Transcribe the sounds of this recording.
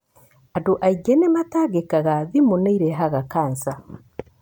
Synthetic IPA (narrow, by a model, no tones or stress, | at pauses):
adoʔaiɡenemataɡekaɣaðimunaiɾeɦaɣakaːnsa